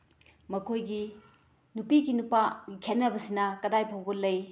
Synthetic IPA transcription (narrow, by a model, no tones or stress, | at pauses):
mɐkʰojɡi | nupiɡinupaɡikʰet̚nːɐbɐsinɐkɐdajpʰowbɐlɐj